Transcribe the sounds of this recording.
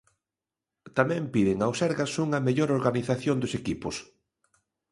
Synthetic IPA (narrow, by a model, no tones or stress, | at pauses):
t̪amɛ̃mpiðɪŋawsɛɾɣɐsuŋɐmeʎoɾoɾɣaniθaθjond̪ʊsekipʊs